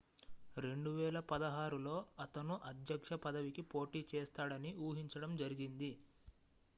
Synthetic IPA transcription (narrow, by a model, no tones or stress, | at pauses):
ɾe̞ɳɖuʋɛːlɐpɐd̪ɐɦaːɾulo̞ːɐt̪ɐnuʔɐd̪jɐkʂɐpɐd̪ɐʋikipo̞ːʈiːt͡ʃeːst̪aːɽɐniuːɦiɲt͡ʃɐɽɐmd͡ʒɐɾiɡind̪i